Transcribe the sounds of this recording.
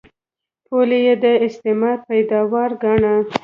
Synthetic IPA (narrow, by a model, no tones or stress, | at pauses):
pʰolejed̪əɪst̪ɪmɑd̪̚pajd̪ɑwɑɾɡɑɳa